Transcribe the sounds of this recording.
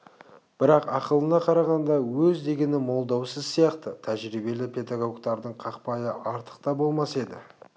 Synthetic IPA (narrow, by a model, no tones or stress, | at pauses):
b̥ɪɾɑqɑqəlˠənɑqʰɑɾɑʁɑnd̪ɑwɵzd̪e̞ɡʲe̞nɪmo̞lˠd̪ɑwsəzsijɑqt̪ət̪ʰæʒɾibe̞lɪpʰe̞d̪aɡo̞ɡt̪ɑɾd̪əɴqʰɑqpɑjəʔɑɾt̪ə̥q̚t̪ɑbo̞lˠmɑse̞d̪ɪ̰